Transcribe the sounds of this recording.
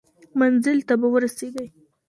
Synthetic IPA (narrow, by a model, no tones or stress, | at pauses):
manzɪlt̪abawəɾaseɡ̪əj